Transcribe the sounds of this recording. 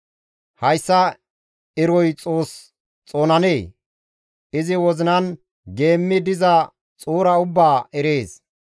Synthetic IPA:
hɐjsːɐ | ɪɾɔjt͡sʼo̞ːs | t͡sʼo̞ːnɐneː | ʔɪzɪwɔzɪnɐn | ɡe̞ːmːɪd̪ɪzɐ | t͡sʼuːɾɐʊbːaːʔɛɾeːs

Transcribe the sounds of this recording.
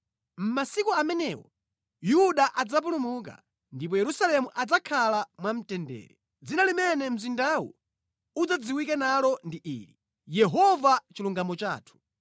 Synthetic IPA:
m̩masikuamɛnɛwɔ̰ | juɗaʔad͡zap̬ulumuka̰ | ndip̬ɔjɛɾusalɛmuʔad͡zakʰalamwam̩tɛndɛ̰ːɾɛ | d͡zinalimɛnɛm̩zindawṵ | ud͡zad͡ziwikɛnalɔndiʔḭːɾi | jɛɦɔvat͡ʃiluŋɡamɔt͡ʃa̰ːtʰu̥

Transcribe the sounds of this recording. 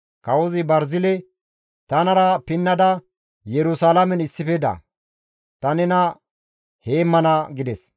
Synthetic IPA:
kɐwɔzɪbɐɾzɪlɛ | t̪ɐnɐɾɐpɪnːɐd̪ɐ | jɛɾʊsalɐmɛnɪsːɪfɛd̪ɐ̰ | t̪ɐnɛnɐ | he̞ːmːɐnɐɡɪd̪ɛs

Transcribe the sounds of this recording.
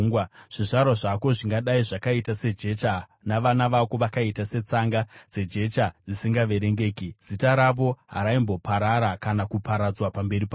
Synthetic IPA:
ŋwaʐ̥iʐaɾwaʐako̞ʐiŋɡaɗaiʐakaitase̞d͡ʒe̞t͡ʃa | naʋanaʋako̞ʋakaitase̞t͡saŋɡad͡ze̞d͡ʒe̞t͡ʃad͡zisiŋɡaʋe̞ɾe̞ŋɡe̞ːkiz̥itaɾaʋo̞ɦa̰ɾaimbo̞paɾaɾakanakupaɾad͡zwapambe̞ɾipa

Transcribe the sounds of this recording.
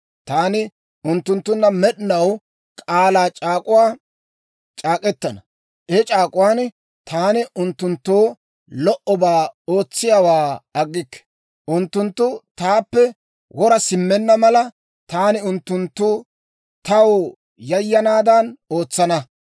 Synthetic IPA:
t̪aːnɪ | ʔʊnt̪ːʊnt̪ːʊnːɐmɛɗɪnɐw | kʼaːlaːt͡ʃʼaːkʼʊwaː | t͡ʃʼaːkʼɛt̪ːɐnɐ | ɛt͡ʃʼaːkʼʊwaːn | t̪ʰaːnɪʔʊnt̪ːʊnt̪ːoː | lɔʔɔbaːo̞ːt͡sːɪjawaːɐɡːɪkːɛ̥ | ʔʊnt̪ːʊnt̪ːʊt̪aːpːɛ | wɔɾɐsɪmːɛnːɐmɐlɐ | t̪aːnɪʊnt̪ːʊnt̪ːʊ | t̪ɐw | jɐjːɐnaːd̪ɐno̞ːt͡sːɐnɐ

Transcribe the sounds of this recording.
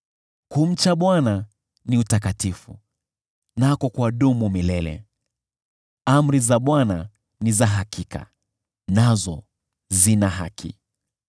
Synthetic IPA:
kum̩t͡ʃaɓwana | niutak̬atifṵ | nakɔkwaɗumumilɛlɛ̰ | am̩ɾizaɓwana | nizaɦakʰikʰa̰ | nazɔ | zinaɦa̰kʰḭ

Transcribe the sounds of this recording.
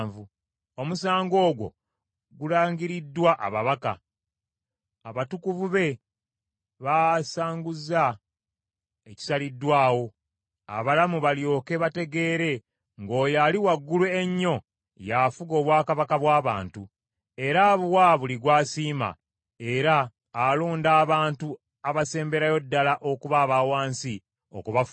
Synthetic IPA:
vu | o̞musaːŋɡo̞ːɡwo̞̰ | ɡulaːɲɟiɾidːwaʔa̰βaβaka̰ | aβatukuvuβe̞ | βasaːŋɡuza | eci̥salidːwaːwo̞ | a̰βalamuβaljo̞ːke̞βate̞ɡe̞ːɾe̞ | ŋɡo̞ːjaliwaɡːulueɲːo̞ | jafuɡo̞ːβwaːkaβakaβwaːβaːntu | e̞ɾaβuwaβuliɡwaːsiːma̰ | e̞ɾaː | loːndaːβaːntu | aβase̞ːmbe̞ɾajo̞dːalaʔo̞kuβaːβawaːnsi | o̰kuβaf

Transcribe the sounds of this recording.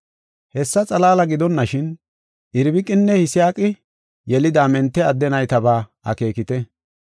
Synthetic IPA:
hɛsːɐt͡sʼɐlaːlɐɡɪd̪ɔnːɐʃɪn | ʔɪɾbɪkʼːɪnːɛhɪsɪjaːkʼɪ | jɛlɪd̪aːmɛnt̪ːɛɐd̪ːɛnɐjt̪ɐbaːɐ̰ke̞ːkɪt̪ɛ

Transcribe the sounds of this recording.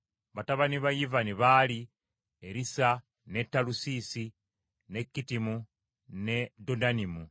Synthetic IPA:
βataβaniβajivaniβaːli | eɾisa | ne̞tːalusisi | ne̞kːitimu | ne̞dodanimu

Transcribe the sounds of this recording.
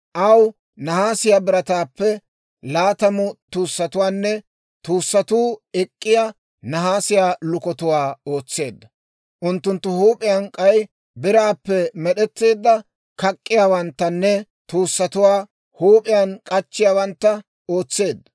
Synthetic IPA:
ʔɐw | nɐhaːsɪjaːbɪɾɐt̪aːpːɛ | laːt̪ɐmʊt̪uːsːɐt̪ʊwaːnːɛ | t̪uːsːɐt̪uːɛkʼːɪja | nɐɦaːsɪjaːlʊkɔt̪ʊwaːo̞ːt͡sːe̞ːd̪ːɐ | ʔʊnt̪ːʊnt̪ːʊhuːpʼɪjankʼɐj | bɪɾaːpːɛmɛɗɛt̪ːe̞ːd̪ːɐ | kɐkʼːɪjaːwɐnt̪ːɐnːɛ | t̪uːsːɐt̪ʊwaː | huːpʼɪjankʼɐt͡ʃːɪjaːwɐnt̪ːɐ | o̞ːt͡sːe̞ːd̪ːɐ

